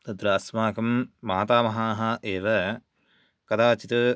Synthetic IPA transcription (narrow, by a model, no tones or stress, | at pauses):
t̪ɐd̪ɾɐɐsmaːkɐmːaːt̪aːmɐɦaːɦɐʔeːʋɐ | kɐd̪aːt͡ʃit̪ɐ